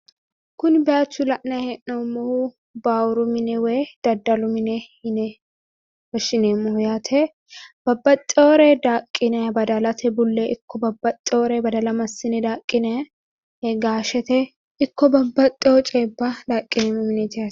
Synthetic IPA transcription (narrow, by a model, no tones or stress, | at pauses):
kʊnbɛaːt͡ʃːʊlɐʔnɐhɛʔnomːɔhʊ | baːwɾʊmɪnɛwɛd̪̥ɐd̪ːɐlʊmɪnɛhɪnɛ | wɐʃɪneːmːɔhʊjat̪ʰɛ | b̥ɐbːɐt̪ʼːɛwɔɾɛd̪aːkʼːɪnɛbɐd̪ɐlɐt̪ʰɛbʊlːɛʔɪkʰːɔbɐbːɐt̪ʼːɛɔɾɛbɐd̪ɐlɐmɐsːɪnɛd̪aːkʼːɪnɛ | hɛɡaːʃɛt̪ɛ | ɪkːɔbɐbːɐt̪ʼːɛɔt͡ʃʼeːbːɐd̪akʼːɪnɛmːɛmɪnɛt̪ɪa